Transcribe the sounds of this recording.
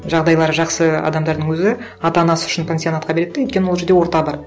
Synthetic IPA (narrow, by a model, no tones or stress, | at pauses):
ʒɑʁd̪ɑjlˠɑɾʒɑqsəɑ̰d̪ɑmd̪ɑɾd̪əŋwɵzɪ | ɑt̪ɑnɑsəʏ̥ʃɪnpʲensio̞nat̪qɑbe̞ɾe̞d̪ɪwjt̪kʲenɪwolˠʒe̞ɾd̪e̞wo̞ɾt̪ɑbɑɾ